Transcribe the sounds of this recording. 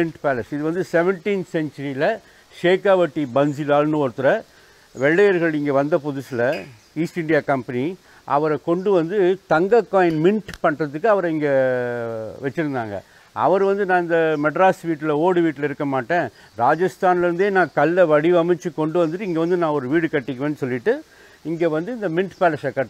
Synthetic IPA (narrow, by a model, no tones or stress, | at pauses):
ɪɳʈpaːlɐsɪðɯʋɐnd̪ɯsɛʋɛɳʈiːnsɛɲt͡ʃɐɾilɐ | ʂeːkaːʋɐʈːibɐnsilaːlnɯɔɾɯt̪ːɯɾɐ | ʋɛɭːɐjɐɾɣɐɭɪŋɡɐʋɐnd̪ɐpʊðʊsɪlɐ | iːsʈɪɳɖijaːkɐmpɐni | ʔɐ̰ʋɐɾɐkɔɳɖɯʋɐnd̪ɯt̪ɐŋɡɐkːaːjɪnmɪnʈpɐɳrɐðɯkːɯɐʋɐɾɐɪŋɡɐ | ʋɛt͡ʃːɪɾɯnd̪a̰ːŋɡɐ̰ | ɐ̰ʋɐɾʋɐnd̪ɯnãːɪnd̪ɐmɛɖɾaːsʋiːʈːɪlɐoːɽɯʋiːʈːɪlɐɪɾɯkːɐmaːʈːẽː | ɾaːd͡ʒɐst̪aːnɪlɪɾɯnd̪eːnãːkɐlːɐʋɐɽiʋɐmɪt͡ʃːɯkɔɳɖɯʋɐnd̪ɯʈːɪŋɡeʋɐnd̪ɯnãːɔɾɯʋiːɽɯkɐʈːɪkːʋeːnːɯsɔlːɪʈːɯ | ɪŋɡeːʋɐnd̪ɯɪnd̪ɐmɪnʈpɛːlɐsɐkɐʈː